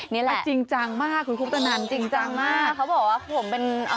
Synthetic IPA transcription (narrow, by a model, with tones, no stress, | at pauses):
ni˦˥lɛ˧˩t͡ɕi˧ŋt͡ɕa˧ŋmaː˥˩kʰu˧˦kʰpt̪ʰa˧na˧˩˦nt͡ɕi˧ŋt͡ɕa˧ŋmaː˥˩a˦˥wbɔː˨˩k̚waː˥˩˦pʰo˩˦mpe˧n˧